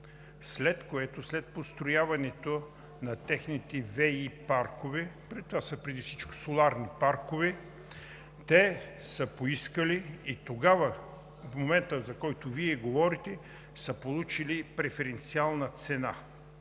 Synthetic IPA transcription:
slɛt̪koɛt̪oslɛt̪̚post̪ɾojavɐnɛt̪o | nɐt̪ɛxnit̪ɛvɛipaɾkovɛpɾɛt̪ːovasəpɾɛd̪ifsit͡ʃko̥solˠaɾnipaɾkovɛ | t̪ɛ | səpoiskəliːt̪oɡavə | fmomɛnt̪əzɐkɔjt̪ʊviɛɡovɔɾit̪ɛ | səpolˠut͡ʃilipɾɛfɛɾɛnt̪sialˠnɐt̪sɛna

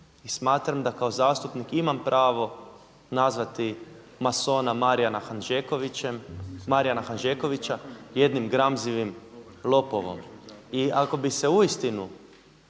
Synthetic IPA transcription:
ismaːt̪ɾamd̪akao̞zaːst̪upnikimampɾʔaːʋo̞ | nazʋat̪i | maso̞ːnamaɾijanaxanʒekoʋit͡ʃemmaɾijanaxanʒeko̞ʋit͡ɕaje̞d̪nimɡɾamziʋim | lˠo̞poʋo̞̰miako̞bise̞uist̪inu

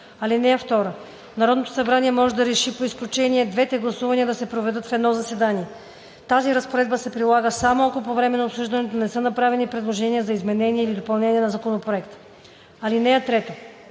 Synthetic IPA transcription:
ɐlinɛjəft̪ɔɾə | nɐɾɔd̪not̪o̥sɐbɾaniɛmɔʒɛd̪ɐɾɛʃipoisklʲut͡ʃɛniɛd̪vɛt̪ɛɡlˠɐsuvɐniəd̪ɐsɛpɾovɛd̪ɤt̪fɛd̪nɔzɐsɛd̪aniɛ | t̪aziɾɐspoɾɛd̪bəsɛpɾilˠaɡəsamoɐkopovɾɛmɛnɐopsuʒd̪ɐnɛt̪onɛsɤnɐpɾavɛnipɾɛd̪lˠoʒɛniəzɐizmɛnɛniɛilid̪opɐlˠnɛniɛnɐzɐkonopɾoɛkt̪ə̥ | ɐlinɛjət̪ɾɛt̪o

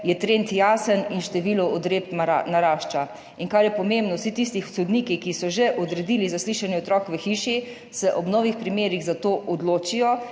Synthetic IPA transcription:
jɛt̪ɾent̪jaːsəninʃt̪ɛʋiːlɔʔɔd̪ɾeptmanaɾaːʃt͡ʃa | iŋkaɾjɛpɔmembnɔwsit̪is̬t̪ixsɔd̪niːkikisɔʒɛʔɔd̪ɾɛd̪iːlizasliːʃanjɛot̪ɾɔːkʋəxiːʃi | sɛʔɔbnɔːʋixpɾimeːɾiɣzat̪oːʔɔd̪loːt͡ʃijɔ

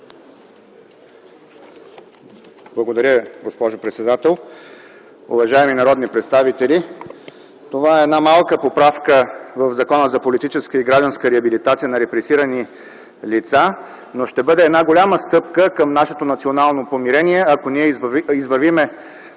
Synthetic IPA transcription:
b̥lˠɐɡod̪ɐɾʲəɡospɔʒopɾɛt̪sɛd̪at̪ɛlˠ | ʊ̰vɐʒaɛminɐɾɔd̪nipɾɛt̪st̪avit̪ɛlʲi | t̪ovaɛːd̪namalˠkəpopɾafkəvəvzɐkɔnəzɐpolit̪it͡ʃɛskəiɡɾaʒd̪ənskəɾɛɐbilit̪at̪sijənɐɾɛpɾɛsiɾəni | lit̪sa | noʃt̪ɛbɤd̪ɛːd̪naɡolʲaməst̪ɤpkəkəmnaʃɛt̪onɐt̪sionalˠnopomiɾɛniɛɐkoniɛizvɐɾvimɛ

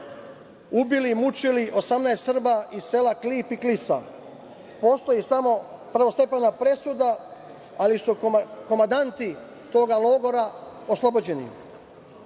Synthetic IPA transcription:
ubilimut͡ʃiliʔo̞samnaest̪r̩baʔiselakliːpiklisa̰ | po̞ːst̪o̞jisamo̞pr̩ʋo̞st̪e̞penapɾe̞sud̪a | alisuko̞mand̪ant̪i | t̪o̞ːɡalˠo̞ːɡo̞ɾaoslˠo̞bod͡ʑe̞nḭ

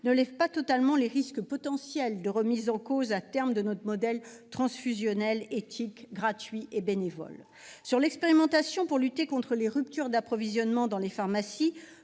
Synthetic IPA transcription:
nəlɛvpat̪ɔt̪almɑ̃leʁiskpɔt̪ɑ̃sjɛld̪əʁəmizɑ̃kozat̪ɛʁmd̪ənɔt̪χmɔd̪ɛlt̪χɑ̃sfyzjɔnɛlet̪ʰikɡʁat̪ɥiʔebenevɔ̰l | syʁlɛkspeʁimɑ̃t̪asjɔ̃puʁlyt̪ekɔ̃t̪χəleʁyp̚t̪yʁd̪apχɔvizjɔnmɑ̃d̪ɑ̃lefaʁmasi

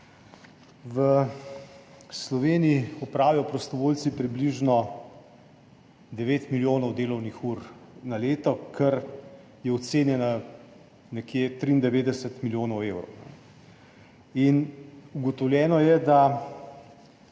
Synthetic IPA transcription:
ʋə | slɔʋeːniiɔpɾaːʋijɔpɾɔst̪ɔʋoːlsipɾibliʒnɔ | d̪ɛʋeːt̪miljoːnɔwd̪eːlɔwnixuːɾnaleːt̪ɔkʰɛɾ | jɛɔt̪seːnjɛna | nɛkjeːt̪ɾiːnd̪ɛʋeːd̪ɛsət̪miljoːnɔweːwɾɔ̰wnɛ̰ | inuɡɔt̪ɔwlʲjɛːnɔjɛd̪a

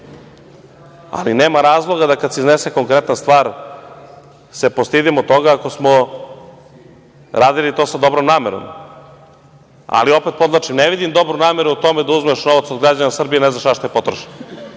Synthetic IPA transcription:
a̰lineːmaɾaːzlˠo̞ɡad̪akad̪seizneseko̞ŋkɾet̪nanst̪ʋaːɾ | se̞post̪id̪imot̪o̞ɡaako̞smo | ɾaːd̪ilit̪o̞ːsad̪o̞bɾomnaːmeɾo̰m | a̰lio̞pet̪po̞d̪lˠat͡ʃimneʋid̪imd̪o̞bɾunaːmeɾuut̪o̞med̪auzmeʃno̞ʋat̪sod̪ɡɾad͡ʑanasr̩bijeneznaʃaʃt̪ojepo̞t̪ɾoʃno

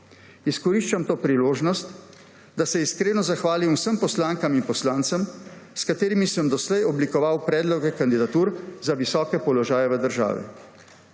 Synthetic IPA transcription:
iskɔɾiʃt͡ʃamt̪oːpɾiloːʒnɔst̪ | d̪asɛiskɾeːnɔzaxʋaːlimwsəmpɔslaːŋkaminpɔslaːnt̪səmskat̪eːɾimisəmd̪ɔslɛjɔblikɔʋawpɾɛːd̪lɔɡɛkand̪id̪at̪uːɾzaʋisɔːkɛpɔlɔʒaːjɛʋəd̪əɾʒa̰ːʋɛ̰

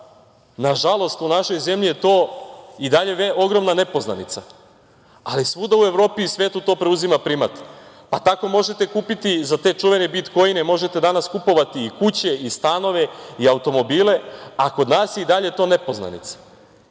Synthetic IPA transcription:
naʒalˠo̞st̪unaʃo̞jze̞mʎijet̪o̞ːid̪aʎe̞eo̞ɡɾo̞mnane̞po̞zna̰nit̪sa | alisʋud̪aue̞ʋɾo̞ːpiːsʋe̞ːt̪ut̪o̞ːpɾeuzimapɾimat̪ | pat̪ako̞mo̞ʒe̞t̪e̞kuːpit̪izat̪e̞t͡ʃuʋe̞nebit̪ko̞jine̞mo̞ʒe̞t̪e̞d̪anaskupo̞ʋat̪iːkut͡ɕe̞ist̪ano̞ʋe̞iaut̪o̞mo̞biːle̞ako̞d̪naːsjeid̪aʎe̞t̪o̞ːne̞po̞zna̰nḭt̪sḁ

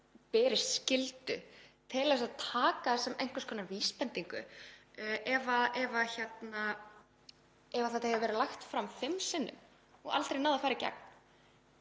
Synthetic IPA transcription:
pɛːɾɪst̪scɪlt̪ʏ̰t̪ʰɪlɛsaðt̪ʰaːkasɛmɛjŋ̥kaskʰɔːnaviːspɛnt̪iŋkʏ̰ | ʔɛvaðɛvaçɛt̪na | ɛvaθat̪ahevavɛːɾɪlajxt̪fɾamfɪmsɪnːʏ̰m | ɔ̰ɣa̰lt̪ɾejnaːwðafaːɾɪca̰k̚n̥

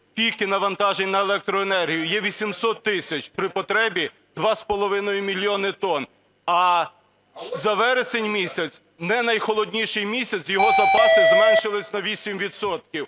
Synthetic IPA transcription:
pʲijkɪnɐʋɐnt̪ɑʒenʲnɐelˠɛk̚t̪ɾɔenɛrɦʲijʊjɛʋʲisʲimsɔt̪ːɪsʲɐt͡ʃpɾɪpɔt̪ɾɛbʲi | d̪̥ʋɑspɔlˠɔʋɪnɔjʊmʲilʲjɔnɪt̪ɔn | ɐ | zɐʋɛɾesenʲmʲisʲɐt̪sʲ | nɛnɐjxɔlˠɔdʲnʲiʃɪjmʲisʲɐt͡s̪jɔɦɔzɐpɑsɪzmɛnʲʃɪlˠɪsʲnɐʋʲisʲimʋʲid̪sɔt̪̚kʲiw

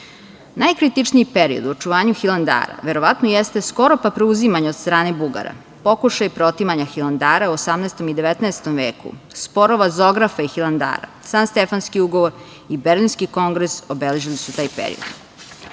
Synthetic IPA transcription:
najkɾit̪it͡ʃniipeɾio̰d̪uot͡ʃuʋaːɲuxilˠand̪a̰ːɾa̰ʋe̞ɾo̞ʋat̪nojest̪e̞sko̞ɾo̞papɾeuzimaɲeod̪st̪ɾaːne̞buɡa̰ɾa̰ | po̞kuʃajpɾot̪imaɲaxiland̪aːɾauosamnɛst̪o̞mid̪e̞ʋet̪naest̪omʋe̞ːkṵspo̞ɾoʋazo̞ɡɾafaixiland̪a̰ːɾa̰saːnst̪efanskiuɡo̞ʋoɾ | ibeɾlinskiko̞ŋɡɾesobele̞ʒilisut̪aːjpḛɾḭod̪̥

